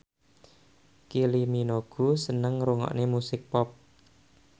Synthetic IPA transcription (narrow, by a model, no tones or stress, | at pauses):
kiliminoɡ̥usənəŋɾuŋɔ̰ʔnemusɪk̚pɔp̚